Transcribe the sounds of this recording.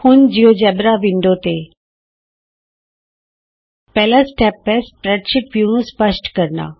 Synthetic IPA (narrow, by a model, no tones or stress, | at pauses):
hund͡ʑijod͡ʒɛbɾaʋiɳɖot̪e | pɛlasʈɛpːɛspɾɛt̪ʃiʈʋjuñũspəʃʈkəɾna̰